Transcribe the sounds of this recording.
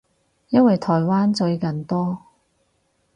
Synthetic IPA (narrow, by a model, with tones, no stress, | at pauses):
jɐ˥nwɐ˨jt̪ʰɔː˨˩jwaː˥nt͡sɵ˧ɥkɐ˨˩nt̪ɔː˥